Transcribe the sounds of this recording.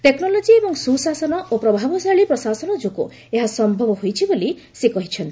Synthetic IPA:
ʈeknɔlɔd͡ʒiebɔŋsusasɔnɔʔopɾɔbʱabɔsaɭipɾɔsasɔnɔd͡ʒokṵ | eɦasɔmbʱɔbɔɦojt͡ʃʰiboli | sekɔɦit͡ʃʰɔnt̪i̥

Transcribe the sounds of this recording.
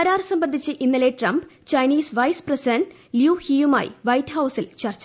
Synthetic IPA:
ɐɾaːrsɐmbɐnd̪ʱit͡ɕːɨʔinːɐleʈrɐmbt͡ɕɐjniːsʋɐjsprɐsidɐɳɖ | ljuːhijuma̰ːjḭʋɐjtːhɐwsilt͡ɕɐrt͡ɕːɐ

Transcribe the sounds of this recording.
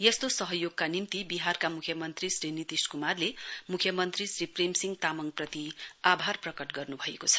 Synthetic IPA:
jest̪osʌɦʌjoɡ̚kanimt̪ibiɦarkamukʰjʌmʌnt̪risrinit̪isʈkumarlemukʰjʌmʌnt̪risripremsiŋɡt̪amʌŋprʌt̪iabʱarprʌkʌʈɡʌrnubʱʌekot͡sʰʌ̥

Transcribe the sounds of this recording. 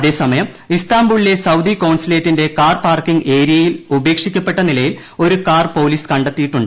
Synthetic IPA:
ɐðe̞ːsɐmɐjɐm | ist̪aːmbuɭile̞sɐwd̪ikɐwnsileːtːinde̞kaːrpaːrkiŋɡe̞ːɾijɐjilube̞ːkʂikʲːɐpːe̞ʈːɐnilɐjil | o̞ɾukaːrpo̞ːliːskɐɳɖet̪ːijiʈːuɳɖɨ

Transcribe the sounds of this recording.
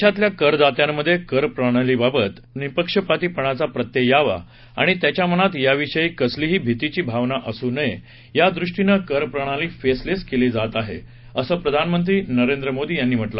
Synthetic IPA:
ɕat̪ljakəɾd̪at̪jamːəd̪ʱːjekəɾpɾəɽ̃aliːbabət̪ | nipəkʂəpat̪iːpəɳ̃at͡sapɾət̪jəjaʋa̰ | a̰ɽ̃it̪jat͡ɕjam̤əɽ̃at̪jaʋiʂəiːkəsliːɦiːbʱit̪it͡ɕiːbʱaʋnaʔəsunəje | jad̪ɾuʂʈinəkəɾpɾəɳ̃aliːfesleskelid͡zat̪aɦḛ | əsəːpɾəd̪ʱanmənt̪̬ɾiːnəɾend̪ɾəmod̪iːjanːiːm̤əʈlə

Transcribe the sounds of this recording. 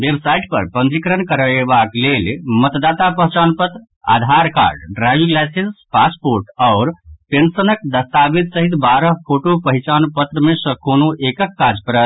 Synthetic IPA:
ʋebsaiʈ̚pə̰ɾpənd͡ʒikɾənkəɾəebaklelmət̪d̪at̪apəɦt͡ʃanpət̪ɾə | a̰d̪ʱaɾka̰ɾɖɖɾaʋiɡlasenspaspoɾʈaʊɾpensənək̚d̪əst̪abit̪səɦit̪baɾəɦpʰoʈopəɦit͡ʃanpət̪ɾəmesə̃konoʔekəkːad͡ʒpəɾət̪

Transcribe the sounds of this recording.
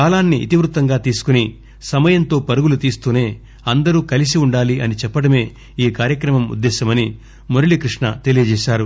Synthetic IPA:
kaːlaːnːiʔḭt̪iʋɾut̪ːɐŋɡaːt̪iːsu̥kuni | sɐmɐjɐnt̪o̞ːpɐɾuɡulut̪iːst̪uːne̞ː | ɐnd̪ɐɾuːkɐlisiuɳɖaːliʔɐnit͡ʃɛpːɐɽɐme̞ː | iːkaːɾjɐkɾɐmɐmṵd̪ːɛːʃɐmɐni | moɾiɭikɾiʂɳɐt̪e̞lijɐd͡ʒɛːʃaːɾu

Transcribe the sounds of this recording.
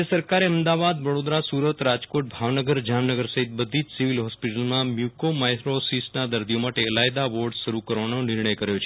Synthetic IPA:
əsəɾkaɾeəmd̪aʋad̪ʋəɽod̪ɾasuɾət̪ɾad͡ʒkoʈ̚bʱaʋnəɡəɾd͡ʒamnəɡəɾsəɦit̪̚bəd̪ʱid͡ʒsiʋilɦɔspiʈəlmãmjukomajkɾosisnad̪əɾd̪ʱijomaʈeəlajd̪aʋoɾɖʃəɾukəɾʋanonɪɾɳəjkəɾjot͡ʃʰe

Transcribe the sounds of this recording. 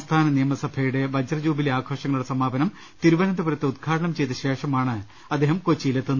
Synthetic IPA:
st̪ʰaːnɐnijɐmɐsɐbʰʱɐjuɽe̞ʋɐd͡ʑɐrɐd͡ʑuːbileaːkʰo̞ːʂɐŋɐɭuɽe̞sɐmaːbɐnɐm | t̪iɾuʋɐnɐnd̪ɐpuɾɐt̪ːeud̪̚ɡʰaːʈɐɳɐmt͡ɕe̞jt̪ɐɕeːʂɐmaːɳɨ | ɐd̪ːeːɦɐmkot͡ɕːijilet̪ːunːu

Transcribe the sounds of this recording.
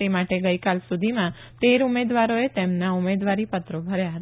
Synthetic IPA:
emaʈeɡəikalsud̪ʱimã | t̪eɾumed̪ʋaɾoet̪emnaumed̪ʋaɾipət̪ɾobʱəɾjaɦət̪

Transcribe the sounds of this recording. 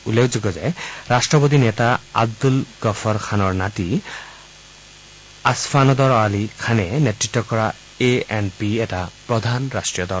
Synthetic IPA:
ulekʰzɔɡɔzɛɹastɹɔpot̪inɛtaa̰b̚d̪ulɡ̥ɔfʰɔɹkʰanɔɹnati | asfanɔd̪ɔɹɔalikʰanɛnetɹitːɔkɔɹa | eɛnpiɛtapɹɔd̪ʱanɹastɹijɔd̪ɔl

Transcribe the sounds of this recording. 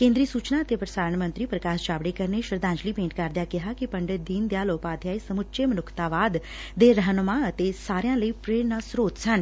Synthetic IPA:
kẽːnd̪ɾiːsuːt͡ʃnaət̪epɾəsaːɾəɳmə̃nt̪ɾipɾəkaːst͡ʃaːʋɽekəɾneʃɾəd̪ãːɲd͡ʒliːpẽːɳʈkaːɾd̪jakɪɦakipɐ̃ɳɖəd̪iːnd̪jaːloːpaːd̪jaːisəmʊtːʃemənʊkʰt̪aːʋaːd̪ː | eɾəɦənmãət̪esaːɾjãːləiːpɾeːɾnasɾoːt̪sən

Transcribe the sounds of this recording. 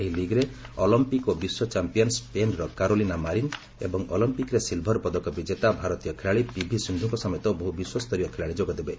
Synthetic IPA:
eɦiliɡɾe | ɔlɔmpikobiswɔt͡ʃampijɔnspenɾɔkaɾolinamaɾin | ḛbɔŋɔlimpikɾesilbʱɔɾpɔd̪ɔkɔbid͡ʒet̪abʱaɾɔt̪ijɔkʰeɭaɭipibʱisind̪ʱuŋkɔsɔmjɔt̪ɔbɔɦubiswɔst̪ʰɔɾijɔkʰeɭaɭid͡ʒoɡɔd̪ebe

